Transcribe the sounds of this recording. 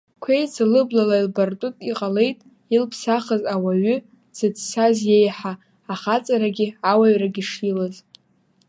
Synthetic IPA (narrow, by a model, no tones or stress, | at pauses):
kʷʰejt͡sʰalɨblalailbartʼʊtʼiqʼale̞jtʼ | ilpʰsaχəzawaɥʏ | z̥ɨdsazje̞jħaː | χat͡sʼaɾaɡʲɪawaɥraɡʲiʂilaz